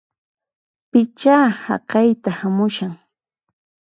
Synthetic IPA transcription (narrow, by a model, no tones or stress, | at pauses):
pɪt͡ʃaːha̰qɑjt̪ahamʊʃaŋ